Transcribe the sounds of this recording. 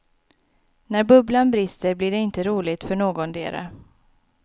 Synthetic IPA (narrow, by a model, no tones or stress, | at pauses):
næɾbɵblanbɾɪst̪əɾblɪɖɛɪnt̪əɾuːlɪɡ̚t̪fœɳoːɡɔnd̪ḛːɾa̰